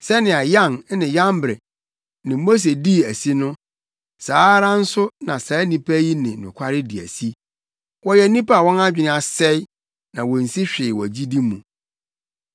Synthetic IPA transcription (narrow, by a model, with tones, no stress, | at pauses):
sɛ˦nɪ̃˨a˨jã˦˨n˦nɪ̃˨jã˦mbɾɛ˨ | nɪ̃˨mo˦s̬e˨di˦˨æ˨si˦nʊ̃˦ | saː˨˦ɾã˦n̩˦sʊ˦nã˨saː˨˦nĩ˦pʰæ˦ji˦nɪ̃˨nʊ̰̃˨kʷʰa˦ɾɪ˦di˨æ̰˨si˦ | wɔ˦jɛ˨nĩ˦pa˦a˨wɔ̃˦na˦d͡ʑᶣɪ˨n˦a˨sɛ˦ɪ˦ | nã˨wɔ˨n̩˨si˦ɕᶣɪ˨wɔ̰˨d͡ʑi˦di˦mṵ̃˨